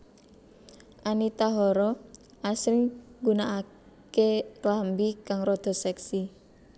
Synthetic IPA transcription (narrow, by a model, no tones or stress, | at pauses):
ʔanit̪aɦɔɾɔ | ʔasɾɪŋɡunaʔa | keklambikaŋrɔd̪̥ɔ̤sɛksi